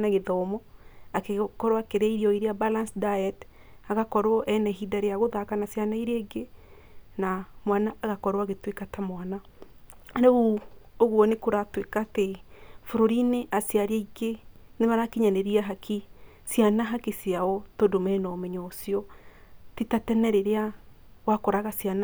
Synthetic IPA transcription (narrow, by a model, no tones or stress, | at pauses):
naɣeðɔmɔakekɔɾwakeɾɛiɾiɔiɾeabalansdaɛtaɣakɔɾwɔʔɛnɛɦidaɾeaɣoðakanasjanaiɾeɡe | namwanaːɣakɔɾwaɣetwekatamwana | aɾeuoɣwɔnekoɾatwekatefoɾoɾineʔasjaɾeiɡenemaɾakiɲaneɾiaɦakʰi | sjanaɦakesjaɔtodomɛnɔmɛɲɔsiɔ | titatɛnɛɾeɾea | wakɔɾaɣasjana